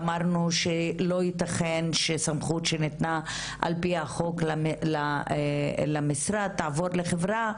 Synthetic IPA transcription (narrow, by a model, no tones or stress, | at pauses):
maʁnuʃelo̞jit̪aχenʃesamχutʃenet̪na | ʔa̰lpiaχo̞klala | lamisɾad̚t̪aːvo̞ɾleχevʁa